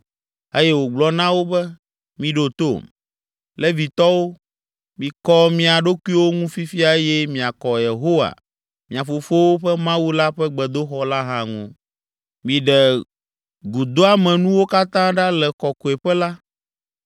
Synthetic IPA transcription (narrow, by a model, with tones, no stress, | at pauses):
e˦jɛ˦wo˨ɡ͡blɔ˨nã˦wo˦bɛ˦ | mĩ˨ɖo˨t̪o̰˦˨m | lɛ˦vi˨t̪ɔ˦wo˦ | mĩ˨kɔ˦mĩ˦a˨ɖo˦ku˦i˦wo˦ŋũ˦fi˦fi˦a˨˦jɛ˦mĩ˨a˨kɔ˨je˨ɦo˦wa̰˨ | mĩ˨a˨fo˨fo˦wo˦ɸɛ˦mã˦wu˦la˦ɸɛ˦ɡ͡bɛ˨d̪o˦xɔ˦la˦ɦã˨ŋṵ̃˨ | mĩ˨ɖɛ˨ | ɡu˨d̪o˦a˦mɛ̃˨nũ˦wo˦ka˦t̪ã˦ɖa˦lɛ˨kɔ˨ko˨e˨ɸɛ˦la˦